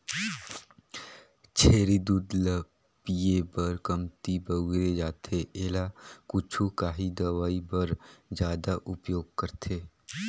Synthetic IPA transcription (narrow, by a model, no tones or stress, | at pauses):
t͡ʃʰeːɾid̪ud̪lə | pijebəɾkəmt̪ibəɡɾed͡ʒaːt̪ʰeeːlakʊt͡ʃʰukaːɦid̪ɐʋaːibɐɾd͡ʒjaːd̪aʔʊpjoːɡkəɾt̪ʰeː